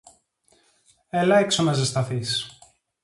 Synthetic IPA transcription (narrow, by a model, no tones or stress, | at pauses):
elɐeksomɐzest̪ɐθis